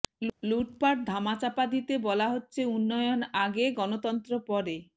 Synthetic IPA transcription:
lluʈpaʈ̚d̪ʱamat͡ʃapad̪it̪ebɔlaɦotːt͡ʃʰeunːɔjɔnaɡeɡɔnot̪ɔnt̪ɾɔpɔɾe

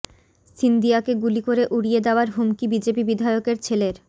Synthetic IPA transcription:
sind̪ijakeɡulikoɾeʔuɽijed̪eoaɾɦumkibid͡ʑepibid̪ʱaeokeɾt͡ɕʰeleɾ

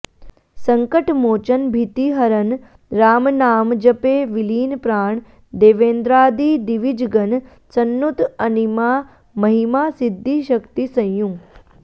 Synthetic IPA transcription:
sɐ̃ŋkəʈmoːt͡ʃənbʱit̪iɦɐɾən | ɾaːmnaːmd͡ʒəpeːʋiliːnpɾaːɳ | d̪eːʋeːnd̪ɾaːd̪iːd̪iʋid͡ʒɡən | sɐnːut̪ɐnima | mɐɦimasɪd̪ʱːiʃəkt̪isɐ̃jjũ

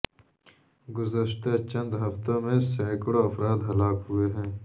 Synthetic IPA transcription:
ɡʊzɐʃt̪at͡ʃɐ̃nd̪ɦɐft̪õmẽsaːkɽoɐfɾaːd̪ɦɐlaːkɦueɦɛ̃ː

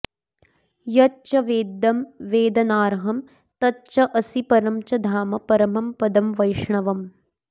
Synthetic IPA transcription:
jɐtt͡ʃɐʋeːd̪ːɐmʋeːd̪ɐnaːɾɦɐm | t̪ɐtt͡ʃɐʔɐsipɐɾɐmt͡ʃɐd̪ʱaːmɐpɐɾɐmɐmpɐd̪ɐmʋɐjʂɳɐʋɐm

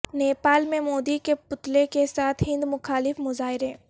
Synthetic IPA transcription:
neːpaːlmẽmoːd̪ikepʊt̪lekesaːt̪ʰɦɪ̃nd̪mʊxaːlɪfmʊzaːɦɪɾɦeː

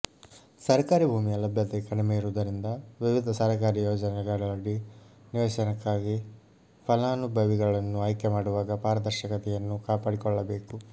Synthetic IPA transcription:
sɐɾkaːɾibʱuːmijɐlɐbʱjɐt̪ekɐɽimejiɾuːd̪ɐɾind̪ɐʋiʋid̪ʱɐsɐɾɐkaːɾijɔːd͡ʒɐnɛɡɐɭɐɽiniʋeːʃɐnɐkːaːɡi | pʰɐlaːnubʱɐʋiɡɐɭɐnːuɐjkɛmaːɽuʋaːɡɐpaːɾɐd̪ɐɾʃɐkɐt̪ɛjɐnːukaːpaːɽikɔɭːɐbe̞ːku

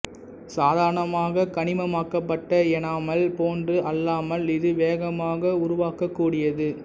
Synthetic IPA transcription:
saːðaːɾɐɳɐmaːɣɐkɐɳɪmɐmaːkːɐpːɐʈːɐɛnaːmɐlpoːndrɯʔɐlːaːmɐlɪðɯʋeːɣɐmaːɣɐʊɾʊʋaːkɐkːuːɽɪjɐðɯ

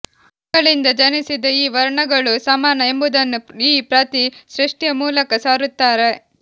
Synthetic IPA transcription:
ɐkɐɭind̪ɐd͡ʒɐnisid̪ɐiːʋɐɾɳɐɡɐɭusɐmaːnɐe̞mbud̪ɐnːuiːpɾaːt̪isɾiʂʈjɐmuːlɐkɐsaːɾut̪ːaːɾe̞

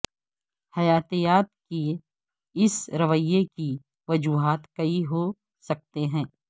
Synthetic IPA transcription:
hɐjaːt̪ejaːt̪̚ki | ɪsɾɐʋəjːeki | ʋɐd͡ʒuːɦaːt̪kɐiɦo | sɐk̚t̪eɦɛ̃ː

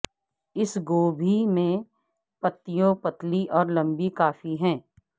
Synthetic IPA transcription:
ɪsɡoːbʱimẽ | pɐt̪ːɪjõpɐt̪liʔɔːɾlɐ̃mbikaːfiɦɛ̃ː

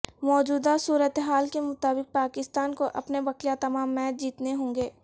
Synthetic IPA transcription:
mɔːd͡ʒuːd̪asuːɾət̪eɦaːlkemʊt̪aːbɪk̚paːkɪst̪aːnkoʔɐpnebɐkjat̪ɐmaːmːɛːt̪̚d͡ʒiːt̪neɦõːŋɡeː

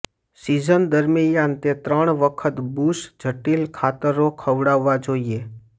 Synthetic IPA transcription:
sid͡ʒənd̪əɾmijãnt̪et̪ɾəɳ̃ʋəkʰət̪busd͡ʒʱəʈilkʰat̪əɾokʰəʋɽaʋːad͡ʒoie

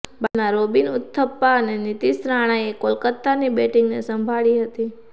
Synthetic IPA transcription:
banaɾobinʊt̪ʰːəpːaənenit̪isɾaɽ̃ajekolkət̪ːanibeʈiŋɡnḛsəmbʱaɭiɦət̪i

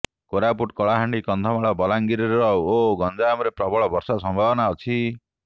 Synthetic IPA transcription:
koɾapuʈkɔɭaɦaɳɖikɔnd̪ʱɔmaɭɔbɔlaŋɡiɾiɾeɾɔoɡɔnd͡ʒaːmɔɾepɾɔbɔɭɔbɔɾsasɔmbʱabɔnaɔt͡ʃʰi

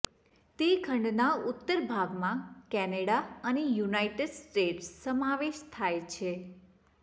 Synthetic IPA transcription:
t̪ekʰəɳɖnaʊt̪ːəɾbʱaɡmãkɛneɽaənejunajʈəɖsʈeʈssəmaʋeʃt̪ʰajt͡ʃʰe

